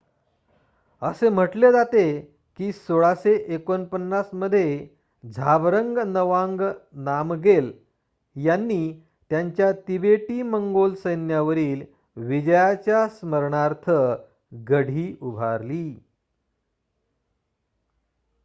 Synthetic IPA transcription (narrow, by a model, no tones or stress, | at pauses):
əsem̤əʈled͡zat̪e | kiːsoɭaseʔekonpənːasməd̪ʱːje | d͡zʱabɾəŋɡnəʋaŋɡnamɡel | janːiː | t̪jaɲt͡ɕjat̪ibeʈiːməŋɡolsəjnjaʋəɾiːl | ʋid͡ʑəjat͡ɕjasməɾɳaɾt̪ʰə | ɡəɽ̤iːʔubʱaɾliː